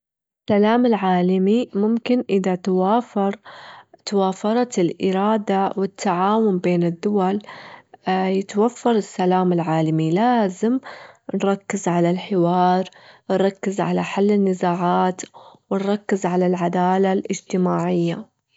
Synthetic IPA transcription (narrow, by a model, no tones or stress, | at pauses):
ʔ | ɪsːalaːmɪlʕaːlamimʊmkɪnʔɪðat̪awaːfɑɾˤt̪awaːfɑɾˤɑt̪ɪlʔɪɾɑːd̪awɪt̪ʰːaʕaːwʊmbeːnɪd̪ːʊwal | jɪt̪wafːɑɾˤɪsːalaːmɪlʕaːlamilaːzɪmnɾˤɑkːɪzʕalalħɪwɑːɾˤnɾˤɑkːɪzʕalaħalːɪnːɪzaːʕaːt̪wɪnɾˤɑkːɪzʕalalʕad̪aːlalʔɪd͡ʒt̪ɪmaːʕɪjːa